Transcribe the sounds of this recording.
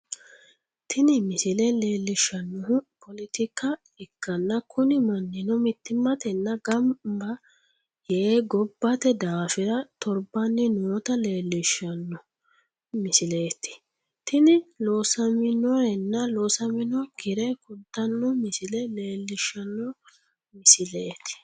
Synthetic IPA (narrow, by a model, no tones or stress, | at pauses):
t̪ʰɪnɪmɪsɪlɛle̞ːlːɪʃːɐnːɔɦʊpɔlɪt̪ɪkːɐ | ɪkːɐnːɐkʰʊnɪmɐnːɪnɔmɪt̪ːɪmːɐt̪ɛnːɐɡɐmbɐ | jeɡɔbːɐt̪ɛd̪aːfɪɾɐt̪ɔɾbɐnːɪnoːt̪ɐleːlːɪʃːɐnːɔ | mɪsɪleːt̪ɪ̥ | t̪ɪnɪloːsɐmɪnɔɛnːɐloːsɐmɪnɔɡɪɾɛkʊnt̪ːɐnːɔmɪsɪlɛle̞ːlːɪʃːɐnːɔ | mɪsɪleːt̪ɪ̥